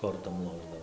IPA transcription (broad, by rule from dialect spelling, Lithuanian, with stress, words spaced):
ˈkoːrtoːm ˈlˠoːʒdɐʋɐɪ